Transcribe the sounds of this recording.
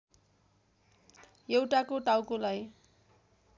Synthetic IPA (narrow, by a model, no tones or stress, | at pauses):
ewʈakoʈawkolaj